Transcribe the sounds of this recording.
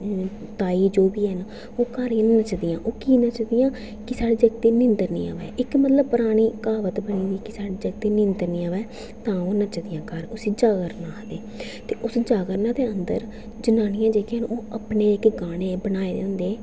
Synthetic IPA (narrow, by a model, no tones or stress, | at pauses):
t̪aːiːd͡ʒoːbiːɛn | oːkəɾinət͡ʃd̪ɪjãːʔoːkiːnət͡ʃd̪ɪjãː | kɪsaːɽeːd͡ʒəɡ̚t̪eːnɪ̃nd̪əɾnḭ̃ːã̰ːʋɛ̰ːʔɪkmət̪ləb̚pəɾaːɽ̃iːkaːʋət̪bəɳ̃iːd̪iːkɪsaːɽeːd͡ʒəɡt̪eːnɪ̃nd̪əɾnĩːãːʋɛː | t̪ãːoːnət͡ʃd̪ɪjãːkəɾʊsiːd͡ʒaːɡəɾnãːd̪eː | t̪eːʔʊsd͡ʒaːɡəɾnãːd̪eːənd̪ə̰ɾ | d͡ʒənaːnɪjãːd͡ʒeːkʰːənoːəpneːɪkɡaːɽ̃eːbəñaːeːd̪ḛːɦʊ̃nd̪eː